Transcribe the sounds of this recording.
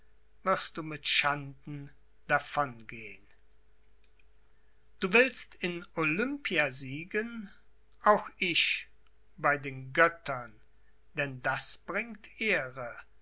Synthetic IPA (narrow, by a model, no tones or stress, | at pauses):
v̥ɪʁst̚d̥uːmɪtʃandn̩ | d̥afɔnɡeːən | d̥uːvɪlstɪnolʏmpiaziːɡən | ʔaʊxɪç | b̥aɪdeːnɡœtʰɐn | d̥ɛndasb̥ʁɪŋktʰʔeːʁə